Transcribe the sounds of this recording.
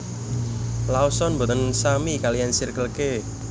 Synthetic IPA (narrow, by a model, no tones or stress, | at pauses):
laosɔnbo̤t̪ənsamikalijansirkəlke